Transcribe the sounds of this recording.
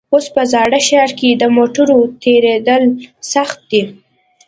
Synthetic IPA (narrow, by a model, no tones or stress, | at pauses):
ospəzɑɽəʃɑɾked̪əmoʈʊɾot̪eɾed̪əlsaxt̪̚d̪i